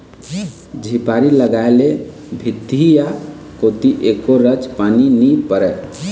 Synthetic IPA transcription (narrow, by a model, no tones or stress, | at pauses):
d͡ʒʱipaɾiləɡaele | bʱid̪ija | kot̪iʔekoɾəd͡ʒpaninipəɾɛ